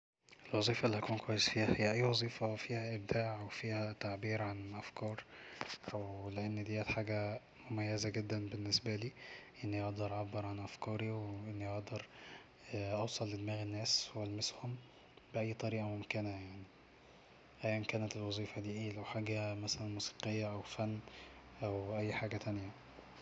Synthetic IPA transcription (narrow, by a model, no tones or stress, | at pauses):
ʔelwɑzˤiːfɑʔlːihækuːnkwæjːezfiːhæhejːæʔæjːwɑzˤiːfɑfiːhæʔeb̚d̪aːʕwefiːhæt̪aʕbiːɾʕanʔæfkɑːɾˤ | wleʔenːd̪ijːæt̪ħaːɡæ | mʊmæjːæzæɡed̪ːænbenːesbæliːʔenːiʔɑʔd̪ɑɾˤʕabːeɾˤʕanʔæfkɑːɾiwʔenːiʔɑʔd̪ɑɾˤ | ʔɑwsˤɑlːɪd̪mæːɣenːæːswælmeshom | beʔæjːt̪ˤɑɾiːʔɑmomkenæjaʕni | ʔæjːænkæːnæt̪elwɑzˤiːfɑd̪iːʔeːlæwħaːɡæmæsælænmuːsi̥qejːæʔæwfænː | ʔæwʔæjːħaːɡæt̪ænjæ